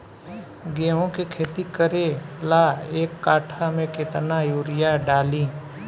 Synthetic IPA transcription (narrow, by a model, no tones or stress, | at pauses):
ɡeːɦõkekʰeːt̪ikəɾelaːeːkːaːʈʰamẽkɪt̪najuːɾɪjaɖaːlĩː